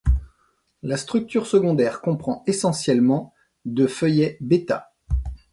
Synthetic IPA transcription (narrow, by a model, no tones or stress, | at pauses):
last̪χyk̚t̪yʁsəɡɔ̃d̪ɛʁkɔ̃pχɑ̃esɑ̃sjɛlmɑ̃ | d̪əfœjɛbet̪a̰